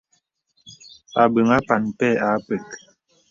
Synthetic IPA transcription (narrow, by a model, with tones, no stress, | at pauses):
a˨bə˨ŋa˦pa˨npɛ˦˨a˨˦pə˨k